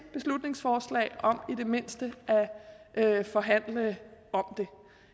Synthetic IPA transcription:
b̥e̝slud̥ne̝ŋsfɒːslɛ̰ːɪɒ̽mid̥e̝me̝n̰sd̥əʔæʔøfɒ̽ɦæn̰ləɒ̽md̥e̝

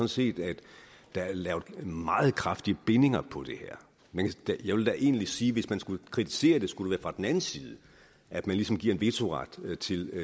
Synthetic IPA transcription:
ɒ̽n̩se̝̰ːd̥æd̥ː | æælɛ̰ːʊd̥mɑ̈ːð̞̩ˠkʰʁɑfd̥iəb̥e̝ne̝ŋɐpʰɒ̽d̥e̝heɐ̰ | mænkʰd̥æjɑɪʋeld̥æʔe̝̰ːnlisiːʋe̝smænsɡ̥ukʰʁit͡sʰi̥se̝̰ːɐd̥e̝sɡ̥ud̥eʋæːɐfʁɑ̈d̥en̩ænn̩siːð̞̩ˠə | ʔæd̥mænlisɒ̽mɡ̥iɐ̰e̝nʋe̝t͡sʰo̝ʁɑ̈d̥t͡sʰe̝l

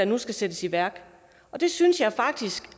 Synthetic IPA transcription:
ænusɡ̥æsed̥əsiʋæɐ̰ɡ̥ | ʔɒ̽d̥e̝synsjɑ̈ɪfɑ̈ɡ̥̚d̥isɡ̥

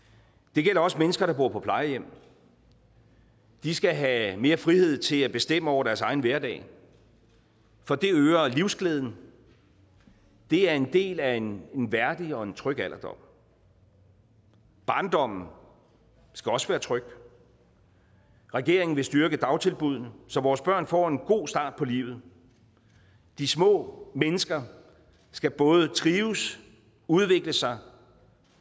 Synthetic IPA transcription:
d̥e̝ɡ̥el̰ɐɒ̽smenəsɡ̥ɐɾ̥ɑ̈b̥o̝ɐ̰pʰɒ̽pʰlɑ̈ɪəjem̰ | d̥isɡ̥æɦæme̝ːɐfʁihe̝ð̞̰ˠt͡sʰe̝læb̥e̝sd̥em̰əɒʊ̰ɐɾ̥æɐsɑ̈ɪn̩ʋæɐdɛ̰ː | fɒ̽d̥e̝øːɐliʊsɡ̥ʰleːð̞ˠn̩ | d̥e̝æɐe̝nd̥e̝̰ːlæene̝nʋæɐd̥iɒ̽e̝nt͡sʰʁœɡ̥æl̰ɐd̥ɒ̽m̰ | b̥ɑ̈ːnd̥ɒ̽m̰n̩ | sɡ̥æɒ̽səʋæːɐt͡sʰʁœɡ̥ | ʁɛɡ̥e̝ɐ̰eŋn̩ʋe̝sd̥yɐɡ̥əd̥ɑ̈ʊt͡sʰe̝lb̥uð̞̰ˠnəsɒ̽ʋɒːsb̥ɶɐ̰nfɒ̰e̝nɡ̥o̝̰ːsd̥ɑ̰̈ːd̥̚pʰɒ̽lḭːʊð̩ˠ | d̥ismɔ̰̽ːmenəsɡ̥ɐ | sɡ̥æb̥ɔ̽ːð̞̩ˠət͡sʰʁiːʊs | uð̞ˠʋe̝ɡ̥ləsɑ̈ɪ

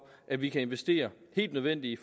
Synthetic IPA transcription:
ʔæʋikʰæe̝nʋesd̥e̝̰ːɐhe̝̰ːld̥nøð̞ˠʋen̰d̥iif

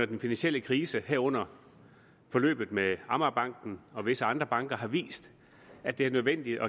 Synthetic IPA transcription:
ɐd̥enfinænsiel̰əkʰʁiːsəheɐɔ̽n̰ɐ | fɒ̽lø̰ːb̥ð̞̩ˠmeɑ̈mɐb̥ɑ̈ŋ̰ɡ̥n̩ɒ̽ʋe̝səɑ̈nd̥ʁɐb̥ɑ̈ŋɡ̥ɐɦɑ̈ʋḭːsd̥ | æ̥d̥e̝æɐnøðˠʋen̰d̥id̥ɒ̽

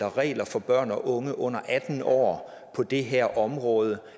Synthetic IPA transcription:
ɐʁɛ̰ːlɐfɒ̽b̥ɶɐ̰nɒ̽ʔɔ̽ŋəʔɔ̽n̰ɐʔæd̥n̩ɒ̰ː | pʰɒ̽d̥e̝ɦeɐ̰ʔɒ̽mʁɔ̽ːð̞ˠə

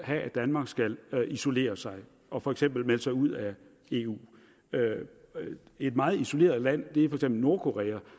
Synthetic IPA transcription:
hææd̥ænmɑ̈ɡ̥sɡ̥ælʔiso̝le̝̰ːɐsɑ̈ɪ | ʔɒ̽fɒ̽eɡ̥sem̰b̥l̩melsɑ̈ɪuð̞̰ˠæ | e̝ːṵː | ø | e̝d̥mɑ̈ːð̞̩ˠiso̝le̝̰ːɐð̩ˠlæn̰d̥e̝æfɒ̽e̥ɡsemb̥l̩no̝ɐkʰo̝ʁɛ̰ːæ

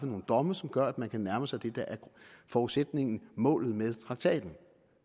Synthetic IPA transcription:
fəno̝ːn̩d̥ɒ̽məsɒ̽mɡ̥ɶɐæd̥mænkʰænæɐməsɑ̈ɪd̥e̝d̥æʔæɐ̥fɒːuðˠsed̥ne̝ŋn̩mɔ̰̽ːlð̞̩ˠmeð̞ˠt͡sʰʁɑ̈ɡ̥̚t͡sʰɛ̰ːd̥n̩

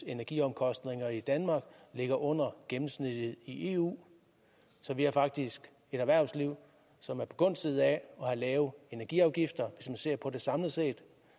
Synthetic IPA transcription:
e̝næɐɡ̥iɒ̽mkʰɒ̽sd̥ne̝ŋɐid̥ænmɑ̈ːɡ̥le̝ɡ̥ɐʔɔ̽n̰ɐɡ̥emm̩snid̥ð̩ˠiʔe̝̰ːṵː | sɒ̽ʋiæfɑ̈ɡ̥̚d̥isɡ̥ | e̝ɾ̥æʋæɐ̰sliʊ̰ | sɒ̽mæɐpʰɒ̥̽ɡ̥ɔ̽n̰seð̞̰̩ˠæɒ̽hɑ̈lɛːʊð̩ˠe̝næɐɡ̥iɑ̈ʊɡ̥ifd̥ɐʋe̝smænse̝ɐ̰pʰɒ̽de̝sɑ̈mləse̝̰ːd̥

